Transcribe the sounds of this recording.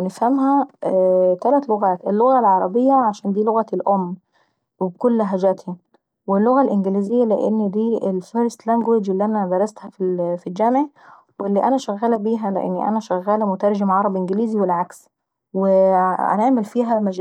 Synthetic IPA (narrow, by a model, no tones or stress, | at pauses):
nefhæmɦæ | t̪ælæt̪loɣæːt̪ʔelːoɣælʕɑɾˤɑbejːæʕaʃæːnd̪iːloɣæelʔomː | webkolːɦæd͡ʒæt̪hi | welːoɣælʔɪnɡeliːzejːælḛʔḛnːd̪iːʔelfeɾst̪læŋɡwed͡ʒʔelːiːʔænæd̪ɑɾˤɑst̪hæfifild͡ʒæmʕe | welːiːʔænæʃæɣːæːlæbiːɦælḛʔḛnːiʔæ̰næʃæɣːæːlæmʊt̪ɑɾˤʒemʕɑɾˤɑbʔenɡliːziwelʕaks | weʔæ̰neʕmelfiːɦæmæd͡ʒ